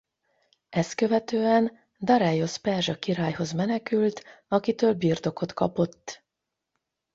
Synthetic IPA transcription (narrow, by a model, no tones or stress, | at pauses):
ɛst̪kø̞vɛt̪øːɛn | d̪ɒɾɛjo̞spɛrʒɒkiɾaːjho̞zmɛnɛkylt̪ɒkit̪øːlbiːrt̪o̞ko̞t̪kɒ̰po̞t̪ː